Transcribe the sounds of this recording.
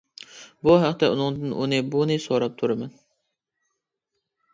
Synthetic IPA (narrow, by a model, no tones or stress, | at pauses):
buɦæqt̪ɛunɨŋd̪ɨnʔṵnɨbunɨsoɾɑp̚t̪ʰuɾɨmɛn